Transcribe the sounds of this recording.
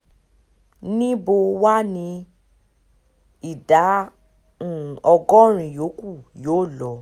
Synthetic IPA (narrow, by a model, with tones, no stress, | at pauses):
nĩ˦bo˧wa˦nĩ˧ | i˦˨dã˨˦˨ | ɔ˧ɡɔ˦ɾ̃ĩ˧˨jo˨˦ku˦˨joː˨˦˨lɔ˧˦